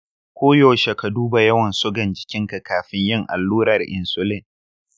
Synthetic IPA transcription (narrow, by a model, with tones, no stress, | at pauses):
kʷoː˦joː˨ʃe˨ka˨duː˦ba˨jɐ˦wɐ˨nsʊ˦ɡɐ˨nd͡ʒɪ̥˨kʲɪ˦ŋka˨kaː˨ɸɪ˦ɲjɪ˦˨ŋʔa̰˨lːuː˦ɾɐ˨rʔɪ˨nsʊ˦lɪ˦˨n